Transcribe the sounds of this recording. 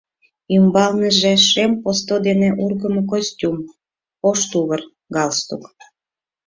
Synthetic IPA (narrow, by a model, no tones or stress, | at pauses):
ymbɑlnəʒeʃempost̪od̪eneʔurɣəmok̬osʲtʲum | oʃt̪uβər | ɡɑlst̪uk